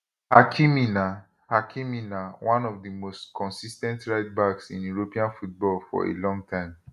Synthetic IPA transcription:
hakʰimina | hakʰĩminawʔãnɔvdimostkʰɔ̃nsistɛ̃ntɹaɪt̚baɡsḭ̃njuɹopiãnfut̚bɔlfɔ̰ḛlɔ̃ŋɡ̚tʰãɪ̃m

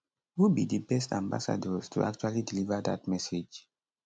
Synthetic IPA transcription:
wubidibɛstã̰mba̰sa̰dɔztʰṵʔa̰k̚t͡ʃualidilivəda̰t̚mɛsed͡ʒ

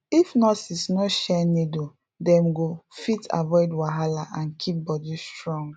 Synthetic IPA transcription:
ifnɔsisnɔʃɛnedo | dɛ̃mɡofitʰa̰vɔɪdwaɦalaʔãnkʰip̚bɔdistɹɔ̃ŋɡ

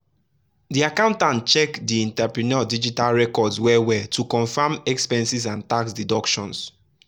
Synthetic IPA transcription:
diakãʊ̃ntãnt͡ʃɛkdiĩntɛpɹinɔdid͡ʒitalɹɛkɔdswɛwɛtʰukɔ̃nfamɛkspɛ̃nsisãntaksdidɔkʃɔ̰̃ns

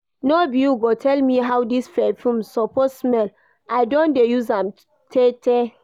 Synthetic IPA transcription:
nobiuɡotʰɛlmiɦawdisfɛfũmsɔpossmɛl | ʔaɪdõndejuzãm | tʰetʰɛ

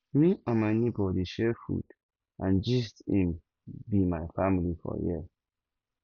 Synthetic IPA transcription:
miãnmanibɔdiʃɛfṵd | ʔãnd͡ʒistĩm | bimaɪfamilifɔ̰jḭ

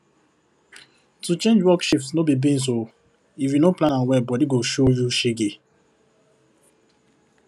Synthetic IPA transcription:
tut͡ʃẽnd͡ʒwɔkʃɔptsnobibĩns̬o | ifjunoplãnãnwɛbɔdiɡoʃojuʃeɡe

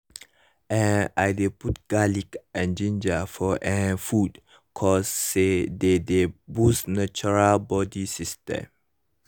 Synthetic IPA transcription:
ɛ̃na̰jdeput̚ɡ̥alikʔɛ̃nd͡ʒĩnd͡ʒafɔʔɛ̃nfud | kʰɔsːededebusnat͡ʃuɹalbɔdisistɛ̰̃m

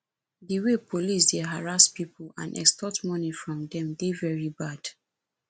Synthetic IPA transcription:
diwepʰolis̬dɛɦaɹastpipʰl̩ã̰nʔɛ̰kstɔtmɔnifɹɔ̃mdɛ̃mdevɛɹibad̥

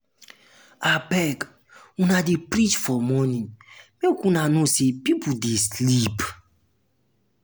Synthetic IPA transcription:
abɛɡ | unadepɾit͡ʃfɔmɔnĩnmekũnanosepipʰudeslip

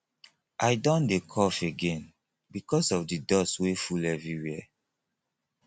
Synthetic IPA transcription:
ʔajdɔ̃ndekʰɔfeɡẽn | bikɔsɔfdidɔswefulɛvɹiwiɛ

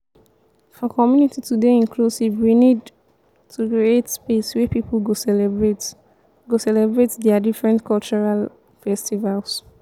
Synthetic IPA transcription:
ɔkɔmjunititudeĩnklusivwinid | tʰukɹietspeswɛpiplɡosɛbɹe | ɡosɛlɛbɹetdɛadifɹɛ̃ntkʰɔlt͡ʃɔɹal | fɛstivals

